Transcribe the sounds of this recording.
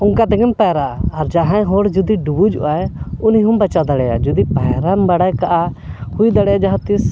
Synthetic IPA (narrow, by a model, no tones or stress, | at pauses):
uŋkat̪ɛɡɛmpɛɾaːɾd͡ʒaɦãɦɔɽd͡ʒud̪iɖubud͡ʒṵʔaɛuniɦumbat͡ʃawd̪aɽɛja̰d͡ʒud̪ipaɦɾambaɽajkaʔa | hujd̪aɽɛjad͡ʒaɦãt̪is